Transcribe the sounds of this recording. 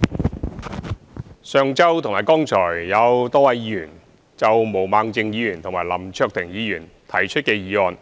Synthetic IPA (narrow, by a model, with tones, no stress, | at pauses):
sœː˨˧ŋt͡sɐ˥wt̪ʰʊ˨˩ŋmaː˨˩jkɔː˥ŋt͡ʃʰɔː˨˩jjɐ˨˧wt̪ɔː˥wɐ˨˧jiː˨˧jyː˨˩n | t͡sɐ˨wmo˨˩wmaː˨˧ŋt͡sɪ˧ŋjiː˨˧jyː˨˩nt̪ʰʊ˨˩ŋmaː˨˩lɐ̰˨˩mt͡ʃʰœː˧k̚t̪ʰɪ˨˩ŋjiː˨˧jyː˨˩n | t̪ʰɐ˨˩jt͡ʃʰt̚kɛː˧jiː˨˧ɔː˨˧n